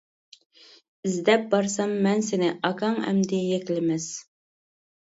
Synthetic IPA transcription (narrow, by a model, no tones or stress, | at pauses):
ɪzd̪ɛp̚bɑɾsɑmːɛnsenɪʔɑkʰɑŋɛ̰md̪ɪjekʲlɪmɛs